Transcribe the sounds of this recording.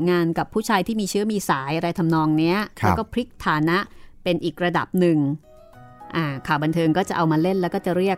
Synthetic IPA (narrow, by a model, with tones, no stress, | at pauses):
ŋaː˧nka˨˩pʰːuː˥˩t͡ɕʰaː˧jt̪ʰiː˥˩miː˧t͡ɕʰɯ˦˥ɐmiː˧saː˩˦jʔa˧ɾa˧jt̪ʰa˧mnɔː˧ŋni˦˥ɐlɛː˦˥˦kɔː˥˩pʰɾi˦˥k̚t̪ʰaː˨˩˦na˦˥ʔpe˧nʔiː˨˩k̚ɾa˧da̰˨˩p̚nɯ˨˧ŋ | ʔaː˨˧˩kʰaː˨˩wba˧nt̪ʰɤː˧ŋkɔː˥˩t͡ɕa˨˩ʔa˧wmaː˧le˥˩nlɛ˦˥wkɔː˥˩t͡ɕa˨˩ɾi˥˩ək̚